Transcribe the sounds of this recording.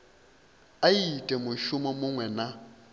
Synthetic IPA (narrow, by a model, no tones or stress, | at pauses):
aitʼɛmʊʃʊmɔmʊŋwɛna